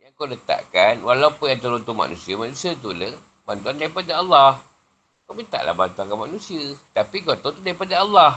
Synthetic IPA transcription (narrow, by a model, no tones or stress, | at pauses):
jaŋkolət̪a̰ʔkanwalaupʊnjaŋt̪əɾunt̪uma̰nusiəmanusiət̪̬ulə | bant̪uandaɾipadaalːah | komint̪a̰ʔla̰hbant̪uankanmanũsiət̪apiɡɔt̪ɔt̪udaɾipadaalːah